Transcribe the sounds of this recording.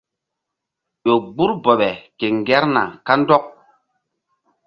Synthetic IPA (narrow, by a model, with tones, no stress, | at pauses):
ɓo˨ɡ͡bu˦ɾbɔ˨ɓɛ˨ke˨ŋ˨ɡɛ˦ɾna̰˨ka˦n˦dɔ˦k̚